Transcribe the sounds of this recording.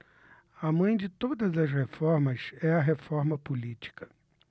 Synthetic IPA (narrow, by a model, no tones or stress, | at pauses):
ɐmɐ̃j̃d͡ʒɪt̪od̪ɐzɐs̬hefɔɾmɐsɛɐɦefɔɾmɐpulit͡ʃi̥kɐ̥